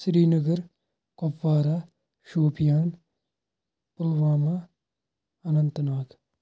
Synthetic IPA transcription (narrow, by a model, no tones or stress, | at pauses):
sɾiːnɐɡɐɾ | kopːaːɾaː | ʃoːpijaːn | pʊlʋaːma | ɐnɐnt̪naːk